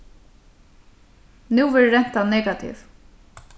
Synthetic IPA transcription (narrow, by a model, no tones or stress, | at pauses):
nuːvɪːɾɹɛn̥t̪anɛːkat̪ʰḭv